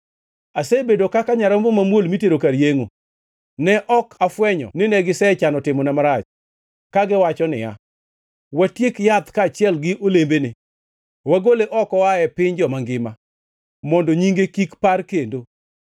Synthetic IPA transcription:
asebedokakaɲaɾɔmbɔmamwolmiteɾokaɾjeŋo | nɛʔɔkafwɛɲɔ̰nɪnɛɡɪsɛt͡ʃanɔtɪmɔnɛmaɾat͡ʃ | kaɡɪwat͡ʃɔnɪ̰ja̰ | watjekjat̪kaːt͡ʃɪɛlɡɪʔolembene | waɡoleʔɔkɔaɛpɪɲd͡ʒɔmaŋɡɪma | mɔndoɲiŋɡekikparkendo

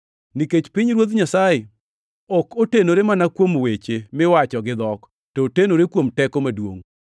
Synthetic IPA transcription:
niket͡ʃpɪɲɾwot̪ɲasaje | ɔkotenoɾemanakwomwet͡ʃemɪwat͡ʃɔɡɪd̪ɔk | tɔtenoɾekwomtɛkomadwo̰ŋ

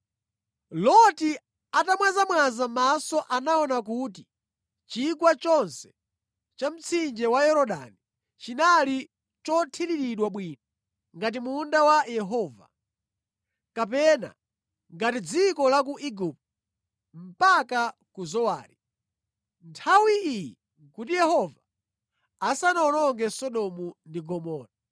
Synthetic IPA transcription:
lɔti | atamwazamwazamasɔʔanaɔnak̬uti | t͡ʃikwat͡ʃɔnsɛ̥ | t͡ʃam̩t͡sʰind͡ʒɛwajɛɾɔɗa̰ni | t͡ʃinali | t͡ʃɔtʰiɾiɾiɗwaɓwiːnɔ | ŋɡat̬imundawajɛɦɔːva̰ | kap̬ɛna̰ | ŋɡatid͡zikɔlak̬uʔiɡup̚t | m̩pakakuzɔwaːɾi | ntʰawiijɛ | kutijɛɦɔvaː | sanaɔnɔŋɡɛsɔɗɔmundiɡɔmɔːna

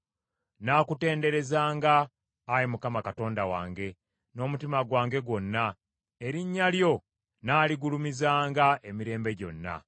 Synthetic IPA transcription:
naːkute̞ːnde̞ɾe̞zaːŋɡaː | jemukamakato̞ːndawa̰ːŋɡe̞ | no̞ːmutimaɡwaːŋɡe̞ɡwo̞nːa | e̞ɾiɲːaljo̞ | naːliɡulumizaːŋɡaʔe̞miɾe̞ːmbe̞ɟo̞̰nːa̰

